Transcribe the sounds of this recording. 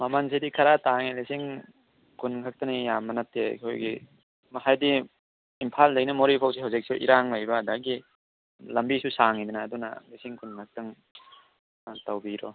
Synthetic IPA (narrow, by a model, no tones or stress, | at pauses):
mamansidikʰaɾataŋelisiŋ | kunkʰak̚tɐŋijamːɐnatːeḭkʰojɡi | mɐhajdi | impʰalːajnɐmoɾipʰaws̬iɦawzik̚seʔḭɾaŋlajbɐːdaɡi | lɐmbisusaŋidunaːdunɐ̰lisiŋkunkʰak̚tɐŋ | tawbiɾɔ